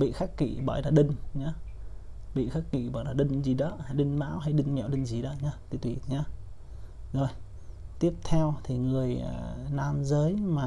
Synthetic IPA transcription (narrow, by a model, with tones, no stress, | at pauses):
ɓḭ˧˨xaː˦˥k̚kḭ˧˨ɓɔ̰˧˩jlaː˨˩ɗə˧ŋɲa˨˧ | ɓḭ˧˨xaː˦˥k̚kːḭ˧˨ɓɔ̰ː˧˩jlaː˨˩ɗə˧ŋzi˨˩ɗɔ˨˦ha˧jɗɨ˧ŋma̰ː˧˥wɦa˧jɗɨ˧ŋmɛ̰˧˨wɗə˧ŋzi˨˩ɗɔ̰˨˦ɲaː˧t̪i˧˦t̪wi˨˩ɲaː˧ | zo˨˩j | t̪i˦˥əp̚t̪ʰɛ˧wt̪ʰi˨˩ŋɨ˨˩əjnaː˧mzəː˨˦jmaː˨˩